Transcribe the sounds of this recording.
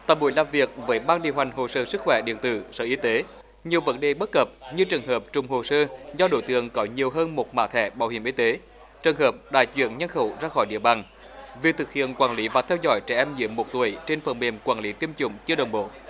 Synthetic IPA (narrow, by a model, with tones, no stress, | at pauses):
t̪aː˨˩mɓṵ˨˧˦jlaː˨˩mvi˨˩ək̚vəː˨˦jɓaː˧nɗḭ˧˨əwɦa˨˩jŋ̟ɦo˨˩səː˧sɨ˦˥k̚xwɛ˧˩ɗḭ˧˨ənt̪ɨ̰˧˨səː˧˩ʔi˨˧˦t̪e˨˦ | ɲi˨˩əwvə˨˦nɗe˨˩ɓə˦˥t̚kə˨˩p̚ɲɨ˧t͡ɕɨ˨˩ŋɦəː˨˩p̚t͡ɕʊ˨˩ŋ͡mho˨˩səː˧zɔ˧ɗo̰˧˦jt̪ɨ̰˧˨əŋkɔ˨˦ɲi˨˩əwɦəː˧nmo˨˩t̚ma̰ː˧˥t̪ʰɛ˧˩˦ɓaː˧˩whi˧˩əmʔi˧˦t̪e˨˦ | t͡ɕəː˨˩ŋɦəː˨˩p̚ɗa̰ː˧˨jzwḭ˧˨ənɲa˧nxə˧˩wzaː˧xɔ˧˩jɗḭ˧˨əɓaː˨˩ŋ | vi˨˩t̪ʰɨ˨˩k̚hḭ˧˨ənkwaː˧˩nli˨˦vaː˨˩t̪ʰɛ˧wzɔ̰˧˥jt͡ɕɛ˧˩ʔɛ˧mzḭ˧˥əmːo˨˩t̚t̪u˧˩əjt͡ɕe˧nfə˧˩nmḛ˨˧˩mkwaː˧˩nli˨˦t̪i˧əmt͡ɕʊ̰˧˩ŋ͡mt͡ɕɨ˧ɗə˨˩wŋ͡mɓo̰˧˩˨